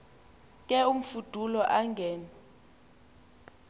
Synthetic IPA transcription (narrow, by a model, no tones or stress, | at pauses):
kʼɛum̩fud̥ʱulɔʔaŋɡʱɛːna